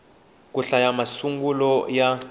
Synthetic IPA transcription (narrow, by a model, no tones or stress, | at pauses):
k̬ʼuɬajamasuŋɡulɔja